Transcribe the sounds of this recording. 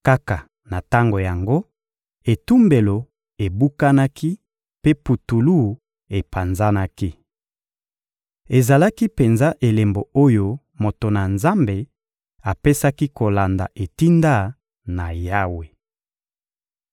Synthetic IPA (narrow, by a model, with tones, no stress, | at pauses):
ka˦ka˨ | na˨ta˦ŋɡo˨ja˨ŋɡo˦ | e˨tu˦mbe˨lo˨ | e˨bu˦ka˦na˦kʰi˦ | pe˦pu˨tu˨lu˦ | e˨pa˨nza˦na˦ki˦ | e˨za˨la˦ki˦pe˨nza˦ʔe˨le˨mbo˨o˦jo˦ | mo˨to˨na˨nza˦mbe˨ | a˨pe˦sa˦ki˦ko˨la˨nda̰˨ʔe˨ti˦nda˦ | na˨ja˦we˨